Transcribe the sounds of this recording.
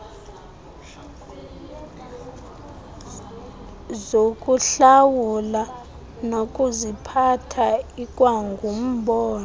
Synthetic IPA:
zokʼuɬawula | nokʼuzipʰatʰaikʼwaŋɡʱum̩ɓɔːna

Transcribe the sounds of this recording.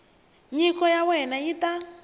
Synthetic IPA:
ɲikɔjawɛnajita

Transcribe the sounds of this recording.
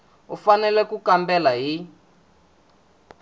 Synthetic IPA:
ufanɛlɛkukambɛlaɦi

